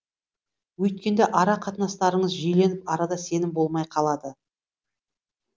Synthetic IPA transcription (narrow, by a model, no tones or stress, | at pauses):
wɵjt̪̚kʲe̞nd̪eʔɑɾɑqʰɑt̪ənɑst̪ɑɾəɴəzʒɵjle̞nɪpɑɾɑd̪ɑse̞nɪmbo̞lˠmɑjqʰɑlˠɑd̪ə